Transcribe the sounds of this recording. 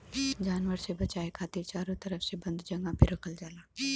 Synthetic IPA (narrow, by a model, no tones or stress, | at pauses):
d͡ʒaːnʋəɾsebɐt͡ʃaːekʰaːt̪ɪɾt͡ʃaːɾõt̪ɐɾəfsebɐ̃nd̪d͡ʒɐ̃ŋɡãpʰɪɾɐkʰəld͡ʒaːlaː